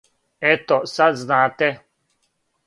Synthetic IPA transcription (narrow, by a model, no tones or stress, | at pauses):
ɛt̪ɔsaznãːt̪ɛ